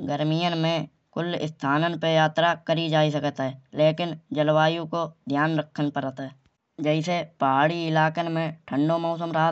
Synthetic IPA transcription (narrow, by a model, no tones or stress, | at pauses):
ɡəɾmijənmẽ | kʊlɪ̰st̪ʰaːnənpejaːt̪ɾakəɾid͡ʒaːisəkət̪ɦɛleːkɪnd͡ʒəlwaːjũkod̪ʱjaːnɾəkʰːənpəɾt̪ɦɛ | d͡ʒɛɪsepaːɽiɪlaːkənmẽʈʰə̃ɳɖomɔːs̬əmɾəɦa